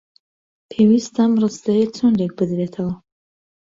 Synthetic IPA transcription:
pʰewist̪ɐmrɨsd̪ɐɾet͡sʰund̪ek̚bɨd̪ɾet̪ʰɐwɐ

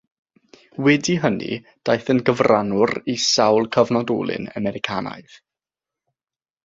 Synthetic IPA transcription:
wɛdiɦənḭ | d̥ajθənɡəvranʊrisawlˠkʰəvnɔdɔːlˠɨ̰nə̰mɛɾɪkʰaːna̰ɨð

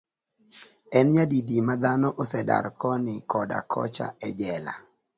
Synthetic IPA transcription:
ɛnɲadidimad̪anɔʔosɛda̰ɾkɔnɪkɔda̰kʰɔ̰t͡ʃa̰ɛd͡ʒɛla̰

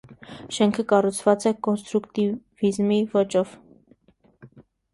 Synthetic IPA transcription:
ʃɛŋkʰəkɑrut͡sʰvɑt͡sɛkɔnst̪ɾukt̪ivizmivɔt͡ʃɔv̥

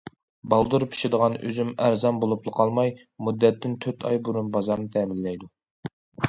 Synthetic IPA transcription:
bɑlˠd̪uɾpʰi̥ʃɪd̪əʁɑnø̰zymæɾzɑnbolˠuplˠəqʰɑlˠmɑj | mud̪ːɛt̪ːɪnt̪ʰøt̪ʰɑ̰jbuɾunbɑzɑɾnɨt̪ʰɛːmɪlːɛjd̪u

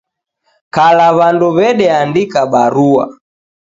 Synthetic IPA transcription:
kalaβanduβɛɗɛandikaɓaɾua̰

